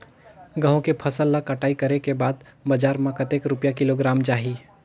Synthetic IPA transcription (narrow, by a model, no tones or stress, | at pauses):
ɡɐ̃ɦõkepʰɐsəlːakɐʈaːikɐɾekebaːd̪ | bɐd͡ʒaːɾmãkɐt̪eːkɾʊpjakɪloɡɾaːmt͡ʃaːɦiː